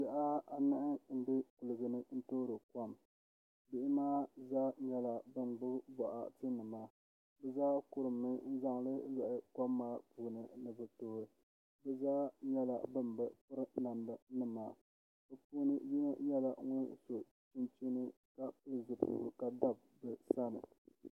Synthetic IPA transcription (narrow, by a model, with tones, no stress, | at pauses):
za˨ʔa˦a˨nɨ˦ʔɨ˦n̩˦be˦ku˨lɨ˨ɡɨ˨nɨ˦n̩˦toː˦ɾɨ˨ka˦m | bɪ˦ʔɪ˦maː˦zaː˦ɲɛ˦la˨bɨ˦n˨ɡ͡bʊ˦bɔ˨ʔa̰˨ti˦nɨ˨maː˨ | bɛ˦zaː˦kʊ˦ɾɨ˨mnɨ˦n̩˦za˦ŋlɨ˦jɛ˨ʔɪ˨ka˦mːaː˦puː˦nɨ˨nɨ˨bɨ˨toː˦ɾɨ˨ | bɛ˦zaː˦ɲɛ˦la̰˨bɨ˦nbɨ˨pɨ˦ɾɨ˦na˨ndɨ˨nɨ˦maː˨ | bɨ˨puː˦nɨ˦ji˦nɨ˦ɲɛ˦la˨ŋɔ˦n˦so˨ | tu˦nti˦nɨ˦ | ka˨˦zɨ˨pṵ˦˨ka˨da˦˨b̚ | bɨ˨sa˦nɨ˨